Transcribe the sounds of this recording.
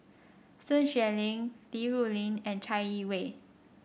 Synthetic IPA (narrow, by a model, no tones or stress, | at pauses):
sənʃɥɛliŋtiɹuliŋɛ̃nt͡ʃʰaɪiweɪ